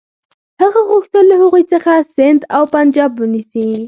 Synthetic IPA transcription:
haɣaɣʊxt̪əlːəhaɣujt͡səxasɪnd̪awpand͡ʒɑbwənisi

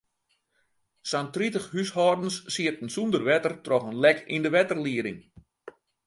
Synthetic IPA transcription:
santritəxhyshɔːrdn̩sːiərtən̩sundərʋɛtərtrɔχənlɛkindəʋɛtərliəɾɪŋ

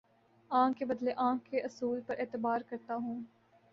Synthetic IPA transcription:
ãːkebɐd̪leʔãːkːeʔɐsuːlpɐɾʔeːt̪ɪbaːɾkɐɾt̪aɦũː

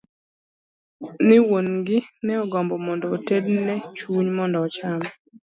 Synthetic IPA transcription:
nɪwonɡɪnɛɔɡɔmbɔmɔndɔːtednɛt͡ʃuɲmɔndɔːt͡ʃamɔ

